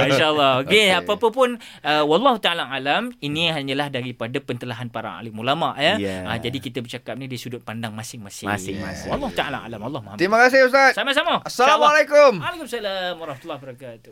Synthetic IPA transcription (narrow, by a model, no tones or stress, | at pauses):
iʃaəlːɔokeapapəpʊn | əwɑlˤːɑɦut̪aalaʔalaminiɦaɲalahdaɾipadapənt̪əlaɦanpaɾa̰ŋa̰likmulamaʔjaəd͡ʒadikit̪əbərt͡ʃakap̚nĩdiəsudʊt̪̚pandaŋmasɪŋmasɪsɪ̰ŋa̰swalˠˤːɑhut̪aala̰a̰lamwalˤːɑhmuhamt̪imakas̬ɪust̪at̪samas̬amasːalamalakʊmalakʊmsalamwaɾɑhmat̪ulːɔhbəɾakat̪u̥